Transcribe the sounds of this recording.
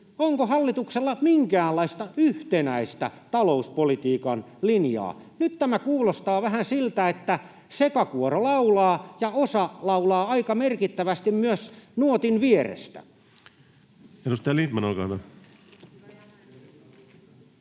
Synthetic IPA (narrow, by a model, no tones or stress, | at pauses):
oŋkohɑlːit̪ukselːɑmiŋkæːlɑist̪ɑyht̪enæist̪æ̰t̪ɑlouspolit̪iːkɑnlinjɑ̰ː | nyt̪t̪æmækuːlost̪ɑːʋæɦænsilt̪æet̪ːæ | sekɑkuorolɑulɑːjɑosɑlɑulɑːɑikɑmerkit̪ːæʋæst̪immyøsnuot̪inʋieɾḛst̪æ̰ | enust̪ɑjɑliːt̪mɑnolkɑ̰nɑ